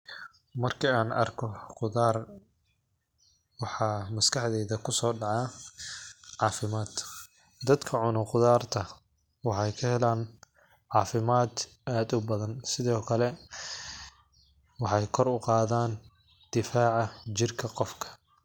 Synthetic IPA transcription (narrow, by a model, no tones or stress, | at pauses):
mɐrkʰiaːnɐ̰rkʰɔqʊðaːr | wɑħɑːmɐskʰɑħd̪ɛːðɐkʰʊsɔːɖɑʕɑː | ʕɑːfɪmaːd̪ | d̪ɐd̪kʰɐʕʊnʊqʊðaːrt̪ʰɐ | wɑħɑjkʰɐhɛlaːn | ʕɑːfɪmaːd̪ | aːd̪ʊbɐðɐnsɪðɔːkʰɐlɛ | wɑħɑjkʰɔrʊqɑːðaːn | d̪̥ɪfaːʕɑt͡ʃɪrkʰɐqɔfkʰɐ̥